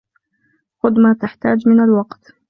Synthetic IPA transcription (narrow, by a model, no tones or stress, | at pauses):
xʊd̪mat̪aħt̪aːd͡ʒmɪnalwɑqt̪